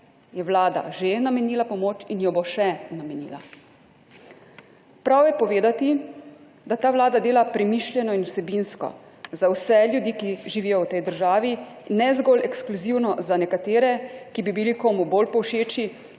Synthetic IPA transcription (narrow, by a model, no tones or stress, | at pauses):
jɛwlaːd̪a̰ʒenamɛniːlapɔmoːt͡ʃinjɔboʃɛnamɛnḭːla̰ | pɾawjɛpɔʋeːd̪at̪i | d̪at̪aːʋlaːd̪ad̪eːlapɾɛmiːʃljɛnɔinwsɛbinskɔ̰ | zawsɛljud̪iːkiʒiʋijɔwt̪ɛjd̪əɾʒaːʋi | nɛzɡolɛkskluziwnɔzanɛkat̪eːɾɛkibibilikoːmuboːlpɔwʃeːt͡ʃi